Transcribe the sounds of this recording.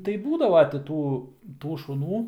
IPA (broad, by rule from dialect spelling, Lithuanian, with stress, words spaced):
tɐɪ ˈbuːdɐʋɐ tʲɪ ˈtuː ˈtuː ʃʊˈnuː